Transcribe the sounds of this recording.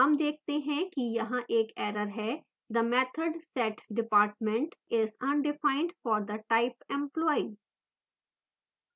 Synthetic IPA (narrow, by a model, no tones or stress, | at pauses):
ɦɐmd̪eːk̚ʰt̪eɦɛ̃kijɐɦãʔeːkɛːɾəɾɦɛː | d̪əmɛːt̪ʰəɖsɛʈɖɪpaːɾʈ̚mɛ̃ɳʈɪzɐ̃nɖɪfãːɪ̃ɳɖfɔːɾd̪əʈaɪpɛ̃mplɔːi